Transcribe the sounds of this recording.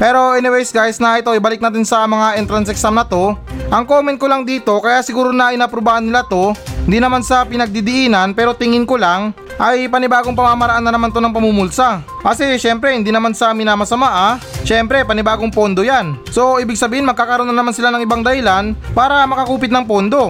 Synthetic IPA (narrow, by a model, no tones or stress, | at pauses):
pɛːɾo̞ʔɛnɪwɛjsɡajsnɐɪt̪o̞ʔɪbɐlɪk̚naːt̪ɪnsɐmɐŋaʔɛnt̪ɾɐnsɛksamnɐt̪o̞ʔɐŋkoːmɛnt̪̚kolaŋd̪iːt̪o̞kɐjaʔsɪɡuːɾonɐɪnapɾobaːhɐnːɪlat̪o̞hɪnd̪inɐmansɐpɪnɐɡ̚d̪id̪ɪʔiːnɐnpɛːɾo̞t̪ɪŋɪnkolaŋ | ʔɐjpɐnɪbaːɡoŋpɐmamɐɾɐʔanːɐnɐmant̪onɐŋpɐmumʊlsa | kɐsɛʃɛmpɾɛhɪnd̪iːnɐmansɐmɪnaːmɐsɐmaʔaʃɛmpɾɛpɐnɪbaːɡo̞ŋpo̞nd̪o̞janso̞ʔiːbɪɡ̚sɐbiːhɪnmɐɡ̚kaːkɐɾonɐnɐmansɪlanɐŋɪbaŋd̪ɐhɪlanpaːɾɐmɐkɐkuːpɪt̪nɐŋpo̞nd̪o̞